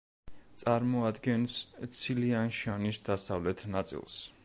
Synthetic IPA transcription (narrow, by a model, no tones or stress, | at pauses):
t̪sʼaɾmɔad̪ɡɛnst̪sʰilianʃanisd̪asavlɛt̪ʰnat̪sʼḭlˠs